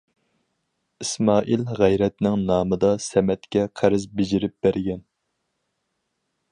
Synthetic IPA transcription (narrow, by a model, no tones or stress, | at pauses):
ismɑːʔilʁæjɾɛt̪nɪŋnɑːmɨd̪ɑsɛmɛt̪kʲɛqʰæɾɨzbɪd͡ʒɪɾɪp̚b̥æɾɡʲɛn